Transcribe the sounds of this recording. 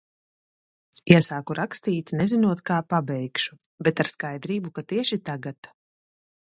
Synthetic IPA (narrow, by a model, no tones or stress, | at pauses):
jasaːkuɾʔakst̪iːt̪nɛzinuɔt̪kaːpabɛjkʃu̥ | bɛt̪aɾskajd̪ɾiːbukat̪iɛʃit̪aɡat̪